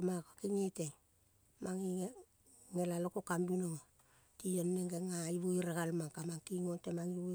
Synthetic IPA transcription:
makakiŋete | maŋi | ŋelalokokambinoŋo | tionːeŋɡeŋaiβuiɾeɡalmaŋkamaŋkiŋontemaŋiβo

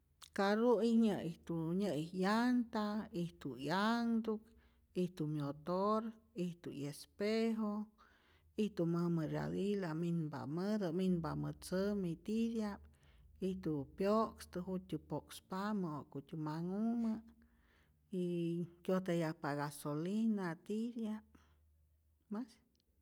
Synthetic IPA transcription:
kaɾuiɲəit̪uɲəijant̪aiht̪ujaŋd̪uk | iht̪umjot̪oɾiht̪ujespeɦo | iht̪uməməɾja̰d̪ilaminba̰məd̪əminbamət͡səmit̪id̪japit̪upjokst̪ɨɦut̪ʲupokspamɨokut̪ʲumaŋumə | ikʲjot̪̬ajapaɣasolinat̪id̪jap | mas

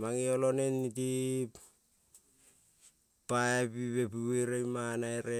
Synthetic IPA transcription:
maŋiolo̞nenːiti | paepiβe̞pueɾejmanaeɾe

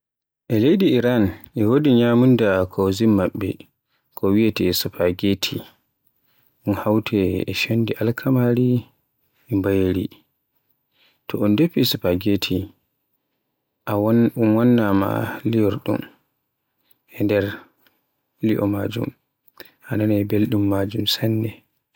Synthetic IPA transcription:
ʔɛlejdiːɾanʔɛwodiɲamundakʰɔzimːaɓːɛ̰ | kʰɔwiɛtɛsupaɡetʰi | ɗunhawtʰɛɛʃondiʔalkʰamaɾi | ɛmbajɾḭ | tʰɔʔɔndepːisupaɡetʰi | ʔaunwanːama̰lijɔɾɗṵm | ʔɛndɛɾ | liʔɔ̰mad͡ʒṵm | ʔananɛbelɗumːad͡ʒumsanːɛ

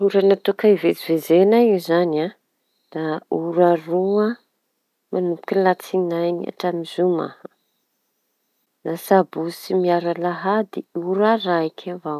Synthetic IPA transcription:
uɾanat̪ukaivet͡sivezenaizana | d̪̥auɾarua | manupu̥kʲilat͡sinajna̰ʈ͡ʂamizuma̰h | nasabusimiaɾalaɦad̪iuɾaɾaikʲʰavaw

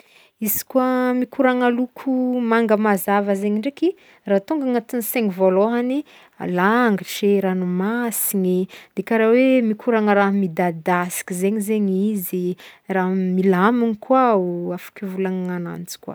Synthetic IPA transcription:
iz̥i̥kuamikuɾaŋalukʰumaŋɡəmazavəzeɲiɳɖ͡ʐeki | rat̪uŋɡaŋat̪iniseŋivoloɦani | a̰laːŋɡiʃeɾanumasiɲid̪̥ekaɾawemikuɾaŋəɾaɦmid̪ad̪asi̥kizeɲizeɲiziramilaminikʰwauafḁkʲivulanana̰nt͡si̥kwa̰

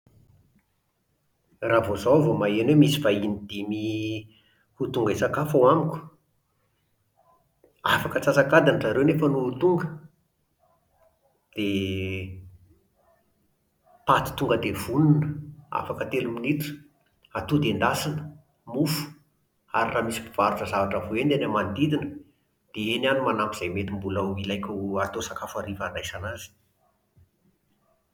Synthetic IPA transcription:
ravozovomaianemisivainid̪̥imi | hut̪uŋɡesakafawamikʲu̥ | afakət͡sasakad̪anəzaɾewnefənuut̪uŋɡə | d̪̥e | pat̪i̥t̪uŋɡəd̪ev̥ununəa̰fakət̪eluminit̪u̥ | at̪ud̪end̪asinə̥ | mufu̥ | a̰ɾiramisi̥bi̥v̥aɾuʈ͡ʂəzavaʈ͡ʂəvoenenamand̪id̪inə | d̪̥eenanumanampiz̥ajmet̪imbuləilajkʲuat̪osakafaɾivanajsanazi̥

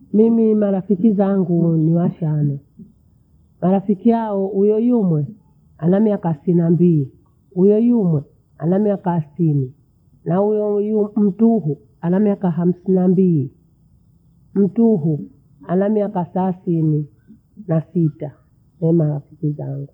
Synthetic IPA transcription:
mimimaɾafikizaŋɡuniwaʃanɔ | maɾafikiaɔujɔjumwɛ | anamiakasinambili | ujɔjumwɛ | a̰namiakaθini | naujɔjm̩tuɦu | anamiakaɦam̩sinambili | m̩tuɦu | anamiakasasini | nasita | nɛmaɾafi̥kizaŋɡu

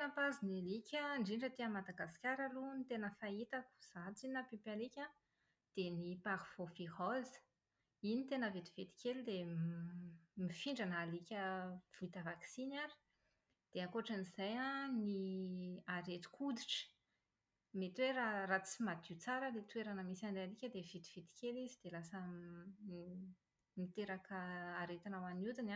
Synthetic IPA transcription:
napazinilikʲəɳɖ͡ʐiɳɖ͡ʐət̪eəmad̪aɡaskʲaɾəlunit̪enəfait̪aku̥z̥at͡sinapipalikʲa | d̪̥enipaɾiv̥ofiɦɔzə̥ | init̪enəvet̪i̥v̥et̪i̥kʲelid̪e | mifiɳɖ͡ʐanːlikʲəv̥uit̪əvaksinaɾi̥ | d̪̥eakoʈ͡ʂənizajani | aɾet̪i̥kʰud̪iʈ͡ʂə̥ | met̪weɾarat͡simad̪iut͡saɾəlet̪uweɾanəmisaɳɖ͡ʐealikʲəd̪evet̪i̥v̥et̪i̥kʲelizid̪̥elasə | mit̪eɾakəaɾet̪inawanut̪ina

